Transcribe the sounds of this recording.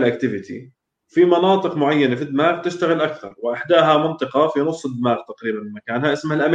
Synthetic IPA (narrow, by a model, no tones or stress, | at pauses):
lʔakt̪ɪvɪt̪ʰḭ | fimɑnɑːt̪ˤɨqmʊʕajːanafid̪ːɪmaːɣt̪ɪʃt̪aɣɪlʔakθɑ̰ɾˤwɪʔɪħd̪aːɦamɪnt̪ˤɨqɑfinʊsˤːɨd̪ːmaːɣt̪aqɾiːbanmːakaːnhaʔɪsmhalʔam